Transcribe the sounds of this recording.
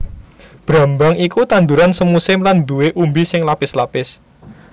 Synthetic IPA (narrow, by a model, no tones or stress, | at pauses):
b̥ɾa̤mbaŋikut̪and̪uɾansəmusɪmland̪uweʔumbisɪŋlapɪslapɪs